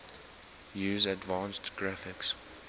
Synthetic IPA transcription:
jʉːzədvɑ̃ːnstɡ̥ɹafɪks

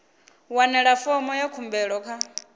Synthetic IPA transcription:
wanɛɺafɔmɔjakʰumbɛɺɔkʰa

